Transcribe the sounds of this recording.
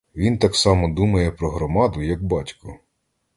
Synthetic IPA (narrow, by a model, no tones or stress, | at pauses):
ʋʲint̪ɑksɑmɔd̪umɐjɛpɾɔɦɾɔmɑd̪ʊjɐɡbɑtʲkʊ